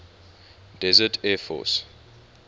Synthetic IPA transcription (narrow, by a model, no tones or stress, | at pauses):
d̥ɛzətʰɛfɔ̰s